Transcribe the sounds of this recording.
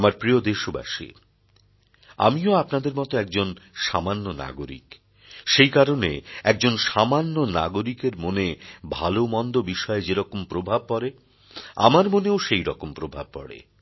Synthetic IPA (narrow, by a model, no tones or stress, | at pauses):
amaɾpɾiod̪eʃoba̰ʃḭ | a̰mioapnad̪eɾmɔt̪oɛk̚d͡ʑonʃamanːona̰ɡoɾḭk | ʃejkaɾonḛɛk̚d͡ʑonʃamanːona̰ɡoɾikeɾmonebʱalomɔnd̪obiʃɔed͡ʑeɾɔkompɾobʱab̚pɔɾe | a̰maɾmoneoʃejɾɔkompɾobʱab̚pɔ̰ɽḛ